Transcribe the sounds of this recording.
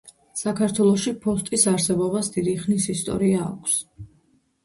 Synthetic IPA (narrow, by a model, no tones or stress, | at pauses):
sakʰaɾt̪ʰwɛlˠɔʃipʰɔst̪ʼisaɾsɛbɔbasd̪id̪iχnisist̪ʼɔ̰ɾia̰ːkʷʰs